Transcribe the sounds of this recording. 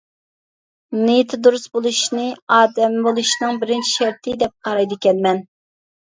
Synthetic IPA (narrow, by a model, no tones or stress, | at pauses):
nɨjt̪ʰɨd̪uɾusbolˠuʃnɨɑːd̪ɛmbolˠuʃnɨŋbɪɾɪnt͡ʃʰi̥ʃɛɾt̪ʰɪd̪ɛp̚qʰɑɾɑjd̪ɪkʲɛnmɛn